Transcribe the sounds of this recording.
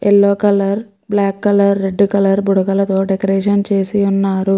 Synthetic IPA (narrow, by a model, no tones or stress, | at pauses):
elːoːkɐlɐɾ | blaːkːɐlɐɾːe̞ɖːkɐlɐɾbuɽɐkɐlɐt̪o̞ːɖekɐɾeːʂɐnt͡ʃe̞ːsiunːaːɾu